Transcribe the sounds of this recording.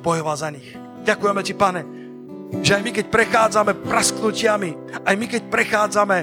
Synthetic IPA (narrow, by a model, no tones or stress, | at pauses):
bɔjɔʋalzaɲix | ɟakujɛmɛcipaɲɛ | ʒɛajmikɛc̚pɾɛxaːd͡zamɛpɾasknucɪami | ajmikɛc̚pɾɛxaːd͡zamɛ